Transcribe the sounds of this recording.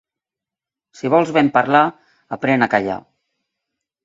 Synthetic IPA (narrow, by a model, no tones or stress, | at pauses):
siβɔlˠzβɛmpaɾla | apɾɛnakaʎa̰